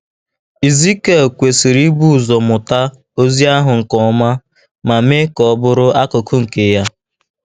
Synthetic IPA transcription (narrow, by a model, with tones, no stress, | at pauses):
i˨zi˦ke˨kʷe˨si˨ɾi˦bu˦˨zɔ˨mʊ˨ta˦ | o˦zi˦a˦ɦʊ˨ŋ̩˨kɔ˨˦ma˦ | ma˨me˦kɔ˨˦bʊ˦ɾʊ˦ʔa˦kʊ˨kʰʊ˦ŋ̩˨ke˨˦ja˦